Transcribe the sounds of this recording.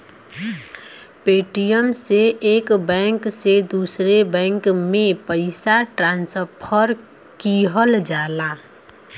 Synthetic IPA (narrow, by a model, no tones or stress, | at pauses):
peːʈijəmseʔːkbɛ̃ŋksed̪usɾebɛ̃ŋkmẽpəɪsaʈɾãːnsəpʰəɾ | kiɦəld͡ʒaːla